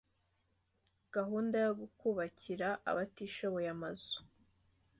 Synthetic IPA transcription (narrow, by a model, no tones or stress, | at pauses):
ɡ̥aɦuːndajoɡukuβaciɾaʔa̰βatiʃoβo̞jamaz̥u̥